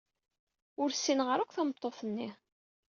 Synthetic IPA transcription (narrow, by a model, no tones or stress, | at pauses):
ʊɾsːinʁəɾækʷθæmət̪ˤːoθənːi